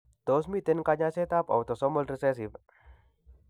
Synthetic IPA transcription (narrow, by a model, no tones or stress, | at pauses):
t̪os̬mit̪enkaɲaset̪apa̰wt̪ɔsɔməlɾesɛs̬ip